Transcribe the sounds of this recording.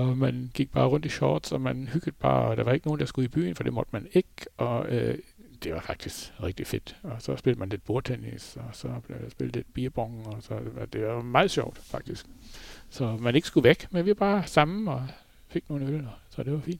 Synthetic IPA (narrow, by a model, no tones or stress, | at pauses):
ɒmænɡ̥iɡ̥̚b̥ɑ̈ːʁɔ̽n̰d̥iɕɒːd̥sɒmænhyɡ̥əð̩ˠb̥ɑ̰̈ːɒd̥ɑ̈ʋɑ̈e̝ɡ̥əno̝ːn̩d̥ɑ̈sɡ̥uib̥y̰ːn̩fɒ̽d̥e̝mɔ̽d̥əmæne̝ɡ̥ʔɒ̽ød̥e̝ʋɑ̈fɑ̈ɡ̥̚d̥isɡ̥ʁɛɡ̥d̥ife̝d̥ɒ̽sɒ̽sb̥e̝ld̥əmænle̝d̥̚b̥oɐt͡sʰenḭsɒsɒb̥ledasb̥eld̥̩ˠled̥b̥iːɐb̥ɔŋɒsɒd̥e̝ʋɑ̈mɑ̈ːð̩ˠɕɒʊ̰d̥fɑ̈ɡ̥̚d̥isɡ̥sɒ̽mæne̝ɡ̥sɡ̥uʋeɡ̥menʋiʋɑb̥ɑ̈ːsɑ̈mn̩ɒ | fe̝ɡ̥̚no̝ːln̩ølsɒ̽d̥e̝ʋɑ̈fḭːnd̥